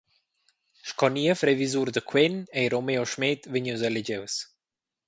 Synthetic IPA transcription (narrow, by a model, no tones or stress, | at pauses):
ʃkɔniɛfɾɛvizuɾd̪əkʰwɛnɛiɾɔmɛɔʃmɛt̪vəɲuzɛlɛd͡ʑɛws